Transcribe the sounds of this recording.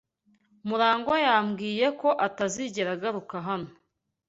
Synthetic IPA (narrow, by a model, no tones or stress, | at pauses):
muɾaːŋɡojaːmɡiːje̞ko̞ʔataziɟe̞ɾaɡaɾukaɦano